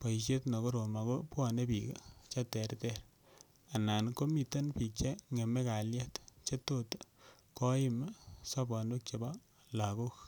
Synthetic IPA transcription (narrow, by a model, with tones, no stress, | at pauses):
pa˨i˨ʃ̬je˦tnɔ˨ko˦ɾo˨ma˨ko˦pwa˨ne˦pi˨ka̰˨t͡ʃa˦tɛ˨ɾtɛ˦ɾ | a˨na˨nko˦mi˨ta˦npi˨k̚t͡ʃe˦ŋe˨me˦ka˨lja˦tt͡ʃe˦to˦t | kɔ˦ɪ˦ma˦sa˦ba˨ndo˦k̚t͡ʃe˨ba˦ | la˨ko˦k